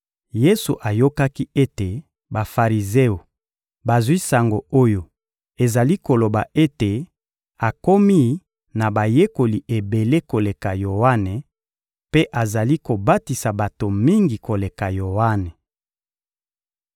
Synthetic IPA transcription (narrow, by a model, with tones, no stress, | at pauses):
je˦su˨ʔa˨jo˦ka˦ki˦e˦te˨ | ba˨fa˨ʁi˨ze˦o˨ | ba˨zwi˦sa˨ŋɡo˨o˦jo˨ | e˨za˨li˦ko˨lo˨ba˨e˦te˨ | a˨ko˦mi˦ | na˨ba˨je˦ko˨li˨ʔe˨be˨le˦ko˨le˨ka˨jo˨wa˦ne˨ | pe˦ʔa˨za˨li˦ko˨ba˦ti˨sa˨ba˨to˨mi˦ŋɡi˨ko˨le˨ka˨jo˨wa˦ne˨